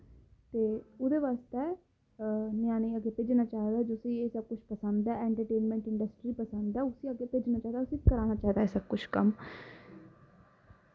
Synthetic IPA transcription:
t̪eːʊd̪eːʋaːst̪eː | nɪjãːneiːaɡeːpeːd͡ʒnaːt͡ʃaːɦd̪aːd͡ʒʊsiːeːsəb̚kʊt͡ʃʰpəsənd̪ɛːɛːɳʈəɾʈeːnmɛ̃ːɳʈɪɳɖəsʈɾiːpəsənd̪ɛːʊsiːaɡeːpeːd͡ʒnaːt͡ʃaːd̪ːʊsiːkəɾaːnaːt͡ʃaːɦd̪aɛsəb̚kʊt͡ʃʰkəm

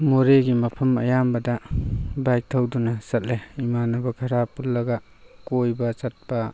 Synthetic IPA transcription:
moɾeɡimɐpʰɐmɐ̰jambɐdɐbajk̚tʰɐwdunɐsɐt̚leimanɐbɐkʰɐɾapulːɐɡa | kojbɐt͡ʃɐt̚pɐ

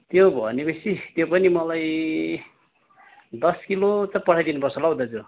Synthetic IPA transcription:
t̪jobʱʌnibʌsʰit̪jopʌnimʌlaj | d̪ʌskilot͡sãpʌɽ̤ʰajd̪inupʌrsʌlʌwd̪ʌt͡sʰu

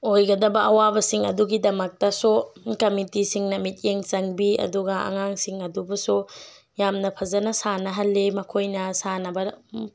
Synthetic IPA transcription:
ojɡɐdɐbɐʔɐwabɐsiŋɐ̰duɡidɐmɐk̚tɐsokɐmitisiŋnɐmit̚jeŋt͡ʃɐŋbiɐ̰duɡɐɐ̰ŋaŋsiŋɐdubɐsu | jamnɐpʰɐzɐnɐsanɐɦɐlːemɐkʰojnɐsanɐbɐ

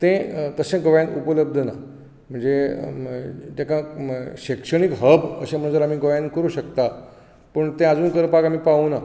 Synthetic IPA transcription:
t̪ẽt̪əsẽɡəʋjãnupələb̚d̪ʱəna | m̤əɳd͡ze | t̪jakaɕikʂəɽ̃ikɦəbəɕem̤əɳ̃d͡zəɾam̤iːɡəʋjankəɾuːɕəkt̪a | pəɳt̪ẽad͡zuːnkəɾpaɡam̤iːpauna

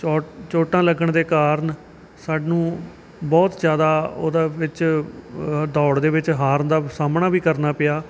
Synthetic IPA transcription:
t͡ʃːt͡ʃoːʈãːləɡəɳd̪eːkaːɾən | saːɖnũː | bɔːt̪zjaːd̪aːo̰ːd̪aːʋɪt͡ʃ | d̪ɔːɽd̪eːʋɪt͡ʃɦaːɾnd̪aːsaːmnaːʋiːkəɾnaːpɪjaː

